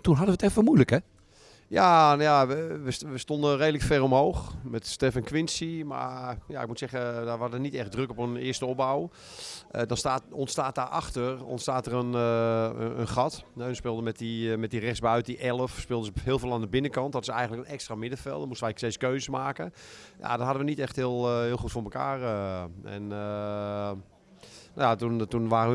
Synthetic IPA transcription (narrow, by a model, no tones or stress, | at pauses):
tunɦadəʋətɛfəmujləkɛ | janjaəʋəsʋəstondərejdələkfɛrɔmɦowxmɛtstɛfənkʋɪnsima̰ja̰ɪk̚mutsɛɣədaʋɔdənitɛχ̚drøkɔpənɪːəstəɔpbaw | dɔnstaːtɔntstaːt̚daːrʔɑ̰xtərɔ̰ntstaːtərən | ə̰nxɑtɛnspɪːlˠdəmɛtimɛt̚dirɛsbɥt̚iʔɛlˠəfspɪːlˠdəzəɦɪːlˠvɪːlˠaːndəbɪnəkɑnt̚dɔtɪsɛjɣəntləkənɛkstramɪdəfɛ̰lˠdɔnmustəʋɛjseskøːzəsmaːkəja̰dɔtɦadəʋənitɛxthɪəlˠhɪːlˠxutfʊːməka̰ːrəɛ̰nə | najatuntunʋaːrə